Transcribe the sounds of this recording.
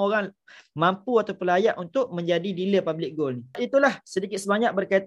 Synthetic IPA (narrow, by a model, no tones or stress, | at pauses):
oɾaŋ | mãmpuat̪awpəlajaʔunt̪ʊʔ̚mə̃ɲd͡ʒadidiləpablɪk̚ɡolniit̪ulahsədikɪt̪̚səbaɲak̚bərkait̪